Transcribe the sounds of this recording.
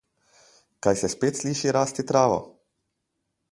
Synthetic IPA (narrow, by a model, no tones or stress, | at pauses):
kaːjsɛspeːt̪sliːʃiɾaːst̪it̪ɾaːʋɔ̰